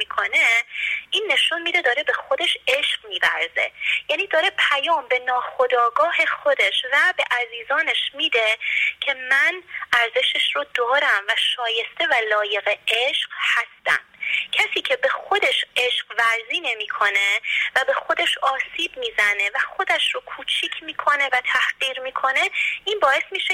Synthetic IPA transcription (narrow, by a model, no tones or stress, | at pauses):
miːkʰo̞ne̞ʔiːnːe̞ʃunmiːd̪e̞d̪ɒːɾe̞be̞xo̞d̪e̞ʃe̞ʃɢmiːvæ̰ɾze̞̰jæːniːd̪ɒːɾe̞pʰæjɒːmbe̞nɒːxo̞d̪ɒːɡɒːhe̞xod̪e̞ʃvæbe̞ʔæɾziːzɒːne̞ʃmiːd̪e̞cʰe̞mænæɾze̞ʃeʃɾod̪ɒːɾæmvæʃɒːje̞st̪e̞vælɒːje̞ɣe̞eʃɢ̥hæst̪æ̰mcʰæsiːcʰe̞be̞xo̞d̪e̞ʃe̞ʃɢvæɾziːne̞miːkʰo̞ne̞væbe̞xo̞d̪eʃɒːsiːb̥̚miːzæne̞væxo̞d̪æʃɾokʰuːt͡ʃʰiːcʰmiːkʰo̞ne̞væt̪ʰæhɢ̥iːɾmiːkʰo̞ne̞ʔiːnbɒːe̞smiːʃe